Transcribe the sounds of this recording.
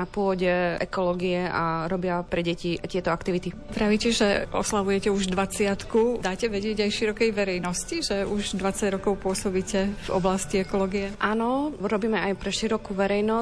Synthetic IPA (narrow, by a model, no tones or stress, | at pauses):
napʊɔɟɛʔɛkɔlɔːɡiɛaɾɔbɪapɾɛɟɛciat̪ɪɛt̪ɔakt̪iʋit̪it̪ɾaʋicɛʒɛʔɔ̰slaʋujɛcɛuʒd̪ʋat͡sɪat̪kud̪aːcɛʋɛɟɪɛɟajʃiɾɔkɛjʋɛɾɛjnɔsciʒɛuʒd̪ʋat͡saɟɾɔkɔʊpʊɔsɔbiːcɛvɔ̰blasciɛkɔlɔːɡijɛʔanɔɾɔbiːmɛajpɾɛʃiɾɔkuʋɛɾɛjnɔ